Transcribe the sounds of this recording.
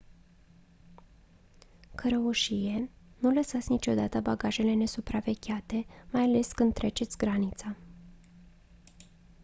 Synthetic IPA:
kəɾəuʃije̞ | nuləsat̪sʲnit͡ʃo̞d̪at̪əbaɡaʒe̞le̞ne̞supɾave̞ɡʲat̪e̞majale̞skɨnd̪̚t̪ːɾe̞t͡ʃe̞t̪sʲɡɾanit̪sa

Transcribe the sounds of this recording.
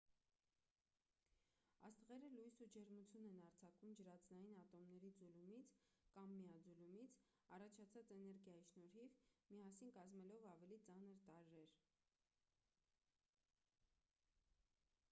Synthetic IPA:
ɑst̪əʁɛɾəlujsud͡ʒɛɾmut͡sʰjunɛnɑɾt͡sʰɑkumd͡ʒəɾɑt͡snɑjinɑt̪ɔmnɛɾid͡zulumit͡sʰkɑmːijɑd͡zulumit͡sʰ | ɑrɑt͡ʃʰɑt͡sʰɑt͡sɛnɛɾɡjɑjiʃnɔɾhivmiɑsinkɑzmɛlɔvɑvɛlit͡sɑnəɾt̪ɑɾːɛɾ

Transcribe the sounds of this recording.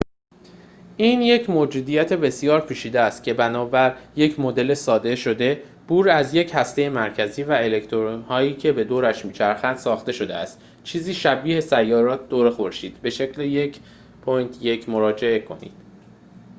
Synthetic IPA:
ʔiːnje̞cʰmod͡ʒuːd̪ijæt̪ʰe̞be̞sijɒːɾpʰiːʃiːd̪eæst̪̚cʲʰe̞bænɒːbæɾje̞cʰmo̞d̪e̞lesɒːd̪e̞ʃo̞d̪e̞ | b̥uːɾæzje̞chæst̪eje̞mæɾcʰæziːvæe̞le̞ct̪ʰoɾnhɒːjiːcʰe̞be̞d̪oːɾæʃmiːt͡ʃʰæɾxænd̪̥sɒːxt̪e̞ʃo̞d̪eæ̰st̪ | t͡ʃʰiːziːʃæbiːhe̞sæjːɒːɾɒːt̪̚d̪oːɾexo̞ɾʃiːd̪̥be̞ʃe̞cleje̞cʰ | pʰojnt̪ʰje̞cʰmo̞ɾɒːd͡ʒe̞e̞kʰo̞nḭːd̪̥

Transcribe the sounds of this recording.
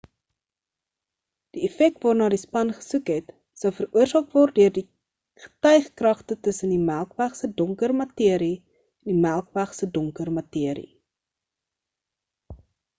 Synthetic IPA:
d̥iɛfɛk̚tvɑːrnɑːdispɐnχə̥sukɦɛt | səwfəruərzɑːk̚vɔrt̚døərdi | χə̥tœjχkrɐχtətəsəndimælˠkvæχsədɔŋkərmɐtiəɾi | ɛndimælˠkvæχsədɔŋkərmɐtiəɾḭ

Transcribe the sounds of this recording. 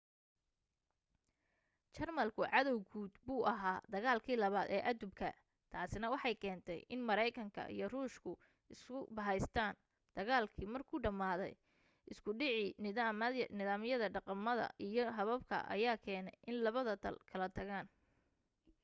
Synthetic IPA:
t͡ʃɐrmɐlkʰʊʕɑðɔwɡʰuːd̪buːʔɐɦaːd̪ɐɣaːlkʰiːlɐβaːd̪ɛ̰ːʔɐd̪ʊbkʰɐ̰ | t̪ʰaːsɪnɐwɑħɑjkʰɛːnt̪ʰɛ̰jʔɪnmɐɾɛjkʰɐŋkʰɐ̰ʔḭjɞruːʃkʰʊ | ɪskʊbɐɦɛjst̪ʰaːn | d̪̥ɐɣaːlkʰiːmɐrkʰuːɖɐmaːðɛ̰j | ʔɪskʰʊɖɪʕiː | nɪðaːmjɐðɐɖɑqɑmːɐðɐ̰ʔijɞɦɐβɐbkʰɐ̰ʔɐ̰jaːkʰɛːnɛjʔɪnlɐβɐðɐt̪ʰɐ̰lkʰɐlɐt̪ʰɐɣaːn

